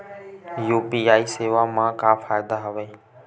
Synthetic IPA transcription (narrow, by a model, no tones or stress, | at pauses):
juːpiːaːiːseːʋaːmãːkãːfaːɪd̪aɦəʋẽː